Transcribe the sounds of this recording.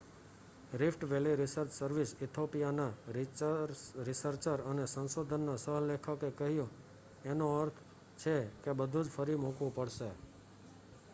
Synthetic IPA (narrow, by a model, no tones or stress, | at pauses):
ɾɪfʈʋeliɾɪsəɾt͡ʃsəɾʋisɪt̪ʰopijanaɾ | ɾɪsəɾt͡ʃəɾənesənsod̪ʱənːasəɦlekʰakekəɦjũ | enoəɾt̪ʰ | t͡ʃʰekebəd̪ʱũd͡ʒfəɾimukʋũpəɽʃe